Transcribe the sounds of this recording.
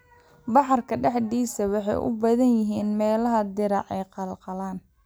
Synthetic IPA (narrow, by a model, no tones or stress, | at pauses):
bɑħɑrkʰɐɖɛħd̪iːsɐwɑħɑ̰jʔʊ̰bɐðɐnjɪɦiːnmɛːlɐɦɐd̪ɪɾɑʕɛ̰jqɑlqɑlaːn